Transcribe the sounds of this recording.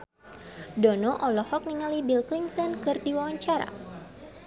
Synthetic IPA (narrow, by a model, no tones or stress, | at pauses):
dɔnɔʔɔlɔhɔk̚niŋalibilkliŋt̪ɔnkɨrdiwawaɲt͡ʃaɾa̰